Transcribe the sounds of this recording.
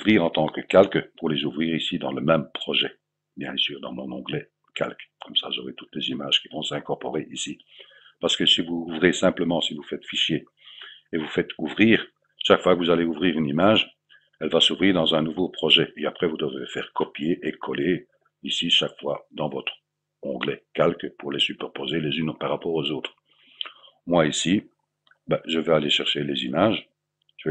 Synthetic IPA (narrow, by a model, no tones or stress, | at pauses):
vʁiʁɑ̃t̪ɑ̃kəkalkpuʁlezuvʁiːʁisid̪ɑ̃ləmɛmpχɔʒɛ | bjɛ̰̃syːʁd̪ɑ̃mɔ̃nɔ̃ɡlɛ | kʰa̰lkkʰɔmsaʒɔʁɛt̪ut̪lezimaʒ̥kʲivɔ̃sɛ̃kɔʁpɔʁeʔisi | paʁsə̥kəsivuuvʁesɛ̃pləmɑ̃sivufɛt̪fiʃje | evufɛt̪uvʁiːʁ | ʃakfwakəvuzaleuvʁiːʁynimaʒ | ɛlvasuvʁiːʁd̪ɑ̃zɛ̃nuvopχɔʒɛʔeapχɛvud̪əvʁefɛ̰ːʁkɔpjeʔekʰɔle | isiʃakfwad̪ɑ̃vɔt̪χ | ɔ̃ɡlɛkʲalkəpuʁlesypɛʁpozelezynpaʁːapɔʁozoːt̪χ | mwaisi | bɛʒəvɛaleʃɛʁʃelezimaːʒ | ʒə